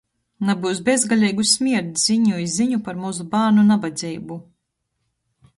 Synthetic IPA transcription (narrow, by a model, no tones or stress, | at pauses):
nabuws̬bʲɛzɡalʲɛːɡusmʲiɛɾt̪ziɲujiziɲupaɾmuzubaːɾnunabad̪zʲiːbu